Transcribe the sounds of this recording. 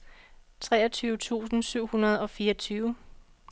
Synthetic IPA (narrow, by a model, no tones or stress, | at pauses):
t͡sʰʁɛːɒ̽t͡sʰyːʊət͡sʰṵːsn̩syʊ̰hunɐð̞̩ˠɒ̽fiːɐʌɒt͡sʰyːʊə